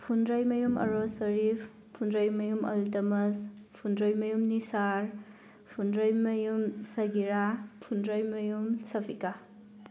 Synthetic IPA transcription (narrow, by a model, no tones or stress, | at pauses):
pʰundɾajmɐjumɐ̰ɾosɐɾif | pʰundɾajmɐjumɐ̰ltɐmɐspʰundɾajmɐjumnisaɾ | pʰundɾajmɐjumsɐɡiɾapʰundɾajmɐjumsɐpʰika